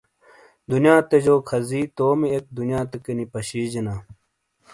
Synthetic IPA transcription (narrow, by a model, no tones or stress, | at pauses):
d̪unjãːt̪ed͡ʑoːkʰɐziːt̪oːmiek̚d̪unjãːt̪ekɐnipɐɕiːd͡ʑinaː